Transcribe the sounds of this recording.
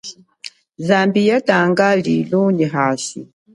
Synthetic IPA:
zambijataŋɡaliluɲiɦasḭ

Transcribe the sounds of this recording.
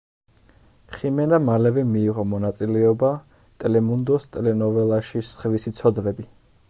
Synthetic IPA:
χimɛnamalɛvɛmiːʁɔmɔnat̪sʼilɛɔba | t̪ʼɛlɛmund̪ɔst̪ʼlɛnɔvɛlˠaʃisχvisit̪sʰɔd̪vɛbi

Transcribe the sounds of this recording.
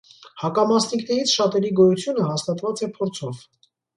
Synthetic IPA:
hɑkɑmɑsniknɛɾit͡sʰʃɑt̪ɛɾiɡɔjut͡sʰjunəhɑst̪ɑt̪vɑt͡sɛpʰɔɾt͡sʰɔv

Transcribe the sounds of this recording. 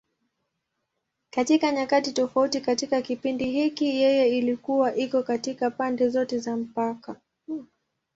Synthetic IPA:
katikaɲakatitɔfautikatikakipindiɦikijɛjɛilikuwaʔikɔkatikapandɛzɔtɛzam̩paka

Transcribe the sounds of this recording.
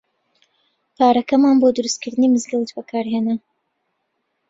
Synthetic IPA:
pʰaːɾɐkɐmaːnboːd̪ɨɾɨst̪kʰɨɾd̪ɨniːmɨzɡɛlˠət͡ʃbɐkʰaːɾɦeːnɐ

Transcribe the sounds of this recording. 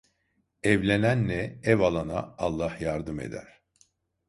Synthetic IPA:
ɛvlʲenænːɛɛvalˠana̰ːlˠːahjaɾd̪ɯmḛd̪æ̰ɾ̥

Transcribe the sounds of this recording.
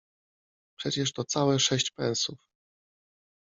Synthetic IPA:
pʂɛt͡ɕɛʂt̪ɔt̪sawɛʂɛɕt͡ɕpɛ̰̃nsuf

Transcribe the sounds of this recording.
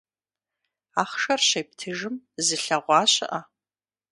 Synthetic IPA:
aːχʃɐrɕejp̚tʰɨʒɨmzɨɬɐʁʷɑːɕɪ̰ʔɐ

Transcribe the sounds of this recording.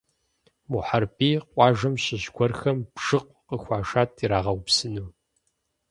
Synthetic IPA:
muħarpʼiːqʷɑːʒɐmɕɪʑɡʷɔrxɐmbʒ̥ɨq̚ʷqəxʷɑːʃaːtʰiɾaːʁɐwpsɨnuː

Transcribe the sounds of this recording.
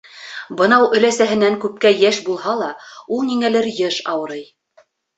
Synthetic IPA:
bɤ̆nɑwɵ̆læsæɦɘ̆næŋkʉp̚kæjæʃbulˠɦɑlˠɑulˠniŋælɘɾjɤʃɑwɤ̆ɾɤj

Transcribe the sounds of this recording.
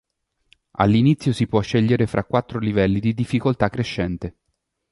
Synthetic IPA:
a̰lːinit̪sːjosipwɔʃːeʎːeɾefɾʔakwat̪ːɾolivɛlːid̪id̪ifːikolt̪akːɾeʃːɛnt̪e

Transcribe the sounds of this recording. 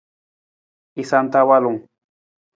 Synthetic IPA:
isant̪awalʊŋ

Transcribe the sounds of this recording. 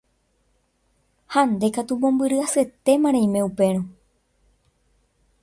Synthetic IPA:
hãnd̪e̞kat̪umõ̞mbɨɾɨasɨe̞t̪e̞mãɾ̃ẽĩmẽ̞upe̞ɾ̃õ

